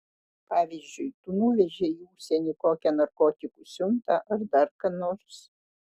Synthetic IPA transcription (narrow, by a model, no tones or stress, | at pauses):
pɑːʋʲiːzʲd͡ʒʲʊɪt̪unuʋʲɛʒʲɛiuːsʲɛnʲiːkoːkʲɛnɐɾkoːt̪ʲɪkusʲʊnt̪ɐʔɐɾd̪ɐɾkɐnoːɾʲs